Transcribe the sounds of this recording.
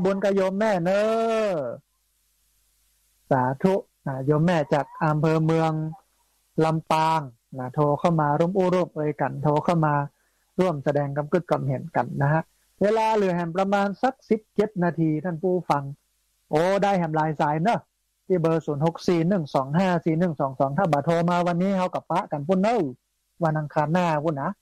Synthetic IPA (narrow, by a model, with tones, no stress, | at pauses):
buː˧nka˧˩joː˧mːɛː˥˩nɤː˧ | saː˨˩˦t̪ʰu˦˥ʔ | na˧˩joː˧mːɛː˧˩t͡ɕaː˨˩k̚ʔa˧mpʰɤː˧mɯ˧əŋ | la˧mpaː˧ŋ | na˧˩t̪ʰoː˧kʰa˥˩wmaː˧ɾu˥˩əmʔuː˧˥˩ɾuː˧˩m̚ʔɤː˧jka˨nt̪ʰoː˧kʰa˥˩wmaː˧ | ɾu˥˩əmsa˧dɛː˧ŋka˧mkɯ˧˩t̪̚ka˧mhe˨˦nka˨˦nːa˦˧ɦa˧˥ʔ | weː˧laː˧lɯ˨˩˦əɦɛ˧˩npɾa˧maː˧nsa˧˥k̚si˨˦p̚t͡ɕe˧˦t̪̚naː˧t̪ʰiː˧t̪ʰaː˧˥˩npʰuː˧˥˩fa˧ŋ | ʔoː˨˧˦daː˧˩˨jɦɛa˨˩˦mlaː˨˧jsaː˨˦jnɯ˧˩ | t̪ʰiː˧˩bɤː˧suː˩˦nho˧˦k̚siː˧˩nɯ˧˩ŋsɔː˩˦ŋɦaː˥˩siː˨˩nɯ˧˩ŋsɔː˨˩˦ŋsɔː˨˦ŋt̪ʰaː˧˩baː˨˩˦t̪ʰoː˧maː˧wa˧nːiː˦˥˨ha˧˩wka˧˩pa˦˧˥ʔka˨npʰu˧˥˨nɯ˧˥˩w | wa˧nʔa˧ŋkʰaː˧nːaː˧˩˧kʰuː˧˩˨nːa˧˥